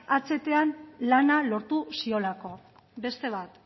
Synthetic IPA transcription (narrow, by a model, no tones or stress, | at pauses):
at͡se̞t̪e̞anlanalo̞ɾt̪usio̞lako̞ | be̞st̪e̞β̞at̪